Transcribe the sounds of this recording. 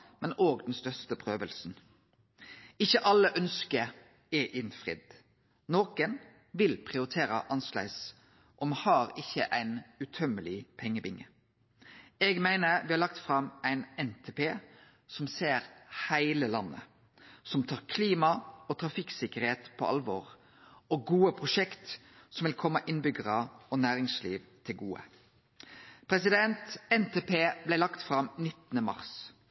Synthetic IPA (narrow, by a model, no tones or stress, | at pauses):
mɛnoːɡd̪ɛnst̪œst̪əpʰɾøːʋəlsn̩ | ɪçːəʔɑlːəʔœnskəɾ | ɛʔɪnfʁɪ̰d̪̥ | noːkən | ʋɪlpʰʁɪʊɾɪt̪ʰeːɾəʔɑnslæ̰ɪs | ʔɔmhɑːɾɪçːəʔæɪnʉt̪ʰœmːəlɪpʰɛŋːəbɪŋːə | ɛɡmæɪnəɾʋɪhɑlɑk̚t̪fɾɑmæɪnɛnt̪ʰepʰeː | sɔmseːɾhæɪləlɑ̰nːə̰ | sɔmt̪ʰɑːʁkʰliːmɑɔt̪ʰɾɑfɪksɪkəɾheːt̪pʰɔ̰ʔɑ̰lʋɔ̰ːʁ | ɔɡuːəpʰʁʊʃɛkt̪ | sɔmʋɪlkʰɔmːəʔɪnbʏɡəʁəɔnæːɾɪŋsliːʋt̪ʰɪlɡuːə̰ | pʰɾɛsɪd̪ɛnt̪ɛnt̪ʰeːpʰeːblæɪlɑkt̪fɾɑmnɪt̪ːənəmɑ̰ʁs